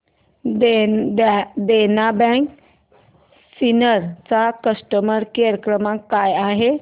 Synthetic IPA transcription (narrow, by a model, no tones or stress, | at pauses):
d̪enabɛ̃k | sinəɾt͡sakəsʈəməɾkeɾəkɾəmãkajaɦe